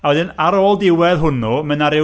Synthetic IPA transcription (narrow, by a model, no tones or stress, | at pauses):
awɛðɪnaɾɔːlˠdɪwɛðɦʊnɔmənaɾɪ